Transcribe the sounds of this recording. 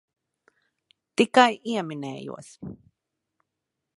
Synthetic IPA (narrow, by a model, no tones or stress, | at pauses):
t̪ikajʔiaminḛːjṵa̰s